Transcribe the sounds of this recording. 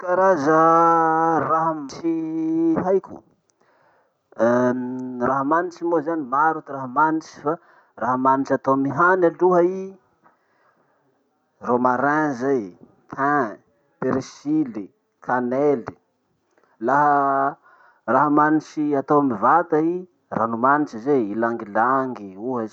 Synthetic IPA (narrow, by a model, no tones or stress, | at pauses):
kaɾazə | raɦəmit͡ʃiɦajkʲṵ | raɦəmanit͡ʃimozanimaɾut̪uraɦəmanit͡ʃi̥fa | ɾaɦəmanit͡ʃat̪omiɦanaluɦai | romaɾãzaj | t̪ʰɛ̃ | peɾisili | kʰaneli | laɦə | raɦəmanit͡ʃiat̪owmivat̪ai | ranumanit͡ʃizeilaŋɡilaŋɡiuɦəz